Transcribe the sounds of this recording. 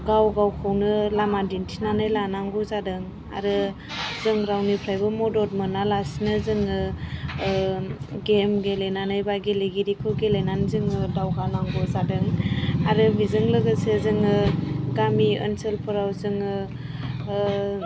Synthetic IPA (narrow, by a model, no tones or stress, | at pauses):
ɡawɡawkʰɯwnɯlamadintʰinanɯjlanaŋɡɔzadɯŋ | a̰ɾɯ | zɯŋɾawnipʰɾajbɯmɔdɔt̚mɯnalasinɯzɯŋɯ | ɡemɡelenanɯjbaɡeleɡiɾikʰɯwɡelenanzɯŋɯdawɡanaŋɡɔzadɯŋaɾɯbizɯŋlɯɡɯsezɯŋɯɡamiɯ̰nselpʰɯɾawzɯŋɯ